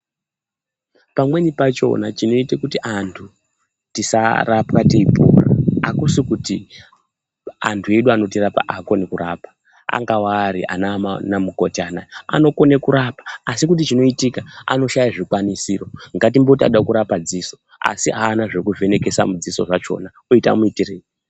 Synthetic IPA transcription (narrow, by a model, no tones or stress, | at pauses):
pamwe̞nipat͡ʃo̞̰nat͡ʃino̞itekutiʔantʰu | tisa̰rapkateipṵra̰akusukuti | a̰ntʰue̞ɗuano̞tirapa̰ʔaːko̞nekuɾapḁ | a̰ŋɡawaːɾiʔa̰namanamuko̞tianaja̰no̞ko̞nekuɾapḁːsikut̬it͡ʃino̞itikaa̰no̞ʃajaʐikwanisiːro̞ŋɡat̬imbo̞tia̰ɗakuɾapad͡ziso̞ | a̰siɦaːnaʐekuve̞ne̞ke̞sa̰mud͡ziso̞ʐat͡ʃo̞̰na | oita̰muitireːni